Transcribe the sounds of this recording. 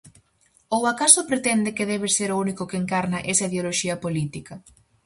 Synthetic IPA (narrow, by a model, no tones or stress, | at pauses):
owakasʊpɾet̪ɛnd̪ɪkɪðɛβ̞eseɾounikʊkeŋkaɾnɐʔesɐiðeoloʃiɐpolit̪ikɐ